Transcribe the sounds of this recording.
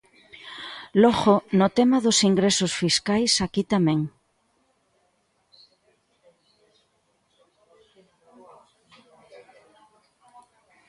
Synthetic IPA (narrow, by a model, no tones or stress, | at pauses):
loɣonot̪emaðosiŋɡɾesosfiskajsakit̪amẽŋ